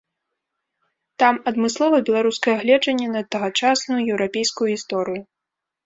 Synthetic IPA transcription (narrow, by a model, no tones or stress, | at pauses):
t̪amɐd̪mɨslˠɔvɐbʲɛlˠaɾuskɐjɛɣlʲɛd͡ʐɐnʲːɛnɐt̪ɐɣat͡ʂasnujujɛwɾapʲejskujuɣʲist̪ɔɾɨju